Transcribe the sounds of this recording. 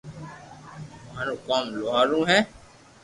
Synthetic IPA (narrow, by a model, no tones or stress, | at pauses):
maːɾõːkaːmloːɦaːɾũːɦɛ̃ː